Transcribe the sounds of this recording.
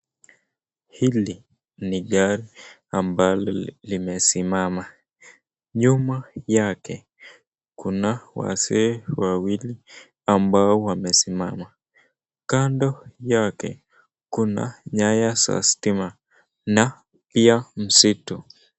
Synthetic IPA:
hili | niɠaɾi | ambalɔlimɛsimama | ɲumajakɛ | kunawa̰sɛwawili | ambaɔwamɛsimama | kandɔjakɛ̰ | kuna̰ɲajasa̰stima | na | piam̩situ

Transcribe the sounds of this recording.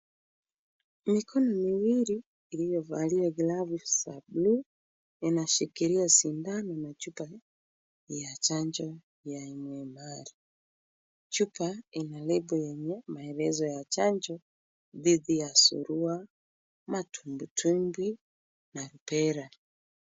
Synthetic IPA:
mikʰɔnɔmiwiɾiː | lijɔvaliaɡilavusablu | inaʃikiɾiasindanɔnat͡ʃupa | jat͡ʃaɲd͡ʒɔ | jaimwɛmaɾi | t͡ʃupainalɛbɔjɛɲɛmaɛɾɛzɔjat͡ʃaɲd͡ʒɔ | ðiðijasṵɾua | matumbutʰumbwi | naɾupɛɾa

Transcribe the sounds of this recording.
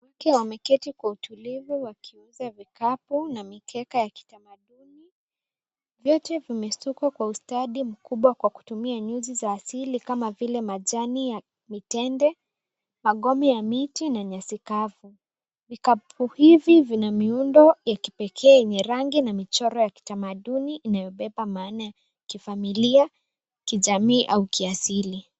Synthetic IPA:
wakɛwamɛkɛtikwautʰulivuwakʰiunzavikapunamikʰɛkajaki̥tamaɗuni | vjɔtɛvimɛsukakwaustaɗim̩kuɓwakwaku̥tumiaɲuzizaːsilikamavilɛmaʄanija | mitɛndɛ | maɠɔmɛjamitinaɲasikavu | vikapʰuhivivinamiundɔjaki̥pɛkʰɛːɛɲɛɾaŋɡinamit͡ʃɔɾɔjaki̥tamaɗuniʔːnajɔɓɛpamaːnaja | kifamilia | kiʄamiːʔaukiasili

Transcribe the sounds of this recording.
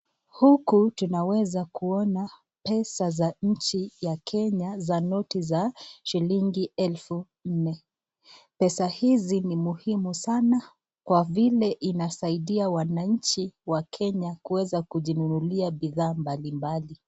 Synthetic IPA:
hukutunawɛzakuɔna | pɛsazaɲ̩t͡ʃijakʰɛɲazanɔtizaʃiliŋɡiɛlfu | n̩nɛ | pɛsahizinimuhimusana | kwavilɛʔinasaiɗiawanaɲ̩t͡ʃiwakʰɛɲakuɛzakuʄinunuliaɓiðaːmbalimbali

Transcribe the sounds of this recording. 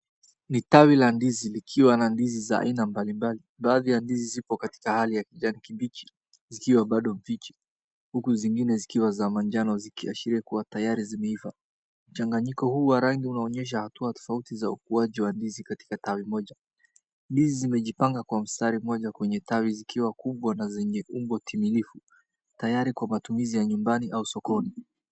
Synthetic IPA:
nitawilandizilikʰiwanandiziza̰a̰inambalimbaliɓaːðijandizizipɔkati̥kahalijakiʄanikiɓit͡ʃi̥ | zikiwaɓaɗɔɱvit͡ʃi̥ | hukuziŋɡinɛzikiwazamaɲd͡ʒanɔzikiaʃiɾiɛkuwatajaɾizimɛifa | m̩t͡ʃaŋɡaɲikɔhuːwaɾaŋɡiunaɔɲɛʃ̬ahatuatɔ̥fautizaukuaʄiwandizikati̥katawimɔʄa | ndizizimɛʄipaŋɡakwam̩staɾimɔʄakwɛɲɛtawizikʰiwakuɓwanazɛɲɛʔumbɔtʰimilifu | tajaɾikwamatumizijaɲumbaniʔausɔkɔni

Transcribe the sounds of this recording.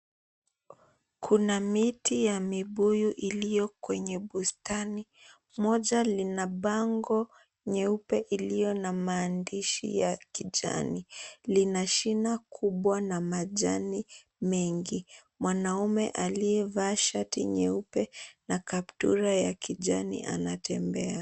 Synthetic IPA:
kʰunamitʰijamiɓujuʔilijɔkwɛɲɛɓustani | mɔʄalinaɓaŋɡɔ | ɲɛupɛʔilijɔnamaːndiʃḭjakiʄa̰nilinaʃinakʰuɓwanamaʄani | mɛŋɡi | mwanaumɛ̰ʔaliɛvaʃatḭɲɛupɛnakap̚tṵɾajakiʄanḭʔa̰natʰɛmbɛa

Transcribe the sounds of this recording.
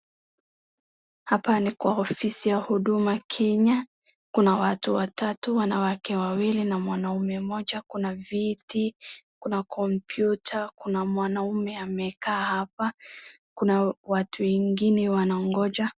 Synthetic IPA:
hapanikwaɔfisijahuɗumakʰɛɲa | kunawatuwatatuwanawakɛwawilinamwanaumɛmɔʄakunavitikunakʰɔmpjutʰakunamwanaumɛamɛkaːhapakunawatʰuwɛŋɡinɛwanaɔŋɡɔʄa

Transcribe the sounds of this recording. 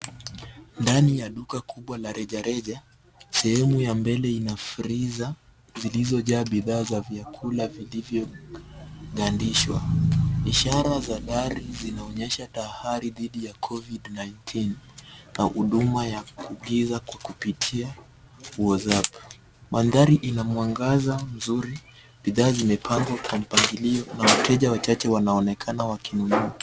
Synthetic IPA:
ndanijaɗukakʰuɓwalaɾʔɛʄaɾɛʄa | sɛhɛmujambɛlɛinafɾiza | zilizɔʄaːɓiðaːzavjakʰulavilivjɔ | ɡandiʃwa̰iʃaɾazaɗaɾizinaɔɲɛʃatahaɾiðiɗijakʰɔvidnajntʰinːahuɗumajakuɠizakwakupitʰia | uɔzap | ɓanðaɾiʔinamwaŋɡazam̩zuɾi | ɓiðaːzimɛpʰaŋɡwakwam̩paŋɡiliɔnawatʰɛʄawat͡ʃat͡ʃɛwanaɔnɛkʰanawakʰinunua

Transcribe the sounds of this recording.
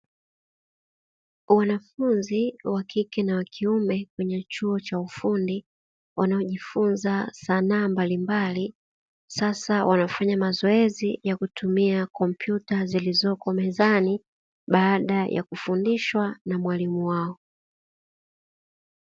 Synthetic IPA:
wanafunziwakikɛnawakʰiumɛkwɛɲɛt͡ʃuɔt͡ʃaufundi | wanaɔʄifunzasanaːmbalimbali | sasawʔanafaɲamazɔɛzijakutʰumiakɔmpjutazilizɔkɔmɛzani | ɓaːɗajʔa̰kufundiʃwanamwalimuwaɔ

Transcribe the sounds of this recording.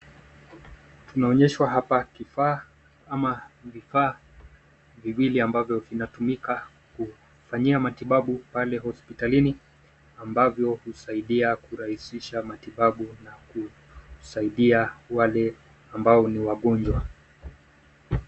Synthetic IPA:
tunaɔɲɛʃwaɦapakifaː | amavifaː | viwiliambavjɔvinatumika | ku | faɲiamatiɓaɓupalɛɦɔspitalini | ambavjɔhusaiɗiakuɾahisiʃamatiɓaɓunaku | saiɗiawalɛ | ambaɔniwaɠɔɲd͡ʒwa

